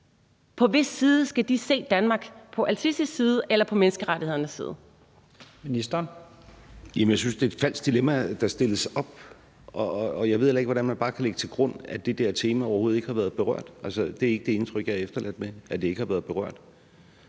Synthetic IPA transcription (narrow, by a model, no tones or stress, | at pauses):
pʰɒ̽ʋe̝sːiːð̞̩ˠsɡ̥æd̥ise̝̰ːd̥ænmɑ̈ɡ̥pʰɒ̽ʔælsʰisisːiːð̞̩ˠelɐpʰɒ̽menəsɡ̥əʁaɾihe̝ð̰ˠɐnəsːḭːð̞̰ˠ | minisd̥ɐn | jæmənjɑɪsynsd̥e̝ːd̥fæl̰sd̥d̥ilemæd̥ɑ̈sd̥e̝ləsɒ̽b̥̚ | ɒːjɑ̈ɪʋe̝ðˠelɐeɡ̥ʋɒɾ̥ænmænb̥ɑ̈ːkʰæleɡət͡sʰe̝lɡ̥ʁɔ̽n̰æd̥e̝d̥ɛɐt͡sʰe̝ːmæɒʊɐho̝ːð̩ˠe̝ɡ̥əhɑ̈ʋæːɐðˠb̥e̝ʁɶɐ̰d̥ʔælsəd̥e̝æɐe̝ɡ̥əd̥e̝e̝nt͡sʰʁœɡ̥jɑefd̥ɐlæd̥meʔæd̥e̝e̝ɡ̥əhɑ̈ʋæːɐð̞̩ˠb̥e̝ʁɶ̰ɐ̰d̥